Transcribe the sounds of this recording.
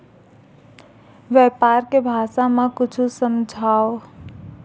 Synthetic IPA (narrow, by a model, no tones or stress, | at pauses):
ʋjɛpaːɾkebʱaːsamãkʊt͡ʃʰusəmd͡ʒʱaːo